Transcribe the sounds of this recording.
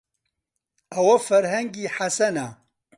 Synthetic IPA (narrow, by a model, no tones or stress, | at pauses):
ɐwɐfɐɾɦɐŋɡiħasɐna